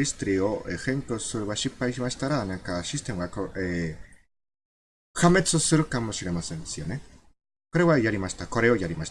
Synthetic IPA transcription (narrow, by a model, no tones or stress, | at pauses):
ist̪ɾioʔexeŋkosɨɾβaʃipaiʃimaʃi̥t̪aɾaðanekaʃist̪emwakoe | hamet͡sɨsɨɾɯkamoʃiɾemasensione | koɾewajaɾimaʃt̪akoɾeojaɾimaʃ